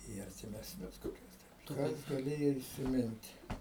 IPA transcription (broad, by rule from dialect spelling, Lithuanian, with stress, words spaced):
iː ɐrʲtʲɪmʲɛsʲˈnʲʊs koːˈkʲʊs ˈkɐs ɡɐˈlʲeːjoː ɪsʲɪˈmʲɪnʲtʲ